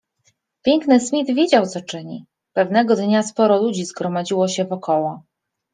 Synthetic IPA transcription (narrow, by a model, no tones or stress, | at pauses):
pʲjɛŋknɘsmʲid̪vʲjed͡ʑawt̪sɔt͡ʂɘɲḭ | pɛvnɛɡɔd̪ɲaspɔɾɔlud͡ʑizɡɾɔmad͡ʑiwɔɕɛvɔkɔwɔ